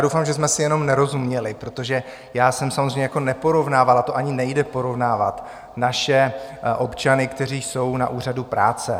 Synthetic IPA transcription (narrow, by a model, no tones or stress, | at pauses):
adowfaːmʒɛsmɛsɪjɛno̞mnɛɾo̞zumɲɛlɪpɾo̞t̪o̞ʒɛ | jaːsɛmsamozɾrɛjɲɛjako̞nɛpo̞ɾo̞vnaːvalat̪oʔaɲɪnɛjdɛpo̞ɾo̞vnaːvat̪ | naʃɛʔo̞pt͡ʃanɪkt̪ɛɾ̝iːso̞wna̰ʔuːr̝adupɾa̰ːt͡sɛ